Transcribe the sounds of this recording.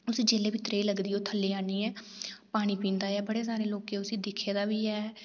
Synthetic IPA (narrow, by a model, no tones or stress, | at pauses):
ʊsiːd͡ʒeːleːbiːt̪ɾeːləɡd̪iːoːt̪ʰəlːiːaːniːɛː | paːɽ̃iːpĩːnd̪aːɛːbəɽeːs̬aːɾeːloːkeːʊsĩːd̪ɪkʰːeːd̪aːʋiːɛː